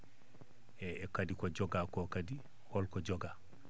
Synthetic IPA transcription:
ɛɛkadikɔd͡ʒɔɡakɔkadi | hɔlkɔd͡ʒɔɡa

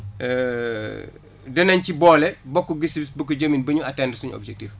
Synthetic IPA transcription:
dɛnɐɲcibɔːlɛbɔkːɔɡisibisbɐkːuɟɐminbɐɲuɐtːɛndsuɲɔ̰bd͡ʒɛk̚tif

